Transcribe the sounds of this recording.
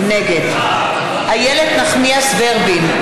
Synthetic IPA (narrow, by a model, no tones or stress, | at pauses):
neɡed̪ | hajeled̪naχniasveʁbim